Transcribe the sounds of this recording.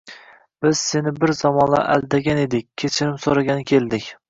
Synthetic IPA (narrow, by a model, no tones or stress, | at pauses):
b̥ɪz̥se̞nɪbɪɾzɒmɒnla̰ʔæ̰lˠd̪aɡʲane̞d̪ɪkʲkʲʰːet͡ʃʰɪɾɪmsoɾaɡʲanɪkʲʰe̞lˠd̪ɪkʲ